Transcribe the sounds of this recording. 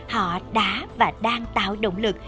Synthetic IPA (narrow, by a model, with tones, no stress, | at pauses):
hɔ̰˧˨ɗaː˨˦vaː˨˩ɗaː˧ŋt̪a̰ː˧˨wɗo̰˧˩wŋ͡mlɨ˨˩k̚